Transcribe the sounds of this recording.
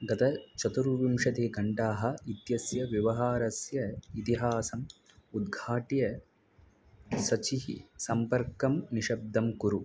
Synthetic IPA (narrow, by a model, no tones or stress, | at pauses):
ɡɐt̪ɐt͡ʃɐt̪uɾʋimʂɐt̪eːɡʱɐɳʈaːɦɐ̆it̪jɐsjɐʋjɐʋɐɦaːɾɐsjɐit̪iɦaːsɐm | ud̪ɡʱaːʈijɐ | sɐt͡ʃiɦḭsɐmpɐɾkɐmniʃɐb̚d̪ʱɐmkuɾu